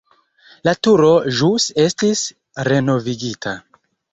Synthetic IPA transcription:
latuɾo̞ʒuse̞stis | ɾe̞no̞viɡitʰa

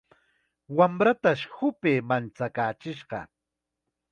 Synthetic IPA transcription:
wamɾat̪aʃhʊpeːmant͡sakaːt͡ʃɪʃɢɑ̰

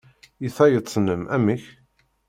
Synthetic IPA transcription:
jəθæjətt͡sˤːnəmʔæ̰mːəç

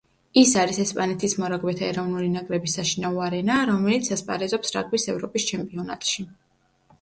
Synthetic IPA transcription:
isaɾisɛspʼanɛt̪ʰismɔɾaɡwɛt̪ʰaɛɾɔvnulinakʼɾɛbisːaʃinauaɾɛnaɾɔmɛlit̪sʰaspʼaɾɛzɔpsɾa̰ɡwisɛvɾɔpʼist͡ʃʰɛmpʼiɔna̰t̪ʼʃi

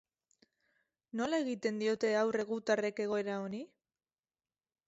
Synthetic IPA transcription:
no̞lae̞ɣit̪e̞nd̪io̞t̪e̞awre̞ɣ̞ut̪are̞ke̞ɣ̞o̞e̞ɾao̞ni

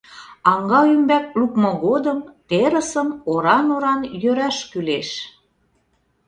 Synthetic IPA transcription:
ɑŋɡɑymbæk̚lukmɤ̆ɣod̪əmt̪eɾəsəmoɾɑnoɾɑnjøɾæʃkyleʃ

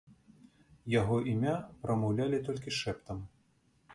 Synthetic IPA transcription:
jaɣɔʔimʲapɾʔɐmɐwlʲalʲit̪ɔlʲkʲiʂɛpt̪ɐm

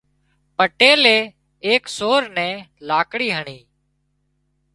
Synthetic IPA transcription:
pəʈeːleː | eːksoːɾnɛ̃ːlaːkɽiːɦəɳiː

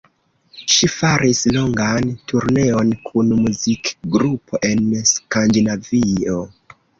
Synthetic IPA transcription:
ʃifaɾʔislo̞ŋɡantuɾne̞o̞nkʰunmuzikɡɾupʰo̞ʔe̞nskandinavio

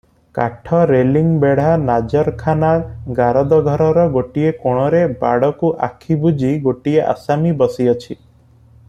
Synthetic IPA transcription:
kaʈʰɔɾeliŋbeɽ̤anad͡ʒɔɾkʰanaɡaɾɔd̪ɔɡʱɔɾɔɾɔɡoʈiekoɽ̃ɔɾeba̰ɽɔkuʔakʰibud͡ʒiɡoʈieʔa̰samibɔsiɔt͡ʃʰi

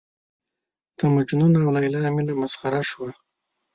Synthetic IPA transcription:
t̪amad͡ʒununaawlaɪlamilamasχaɾaʃwa

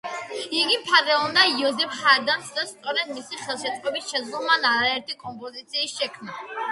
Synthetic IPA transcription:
iɡipʰaɾɛɔnajɔzɛfχaɛd̪ansd̪ast̪ʼɔɾɛd̪misiχɛlˠʃɛt̪ʼqʼɛbisʃɛzlumanaɾaɛɾt̪ʰikʼɔmpʼɔzit̪sʰiːsʃɛkʰmna

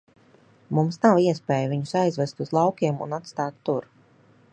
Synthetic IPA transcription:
mumsnawiɛspʲeːjvʲiɲusajzvɛst̪uzlˠɑwkʲiɛmṵnat̪st̪aːt̪ːuɾ

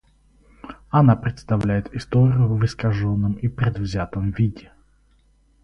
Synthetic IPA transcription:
ɐnapɾʲɪt̪st̪ɐvlʲæjɪt̪ɪst̪oɾʲɪjʊvɨskɐʐonːəmipɾʲɪd̪vzʲat̪əmvʲidʲɪ

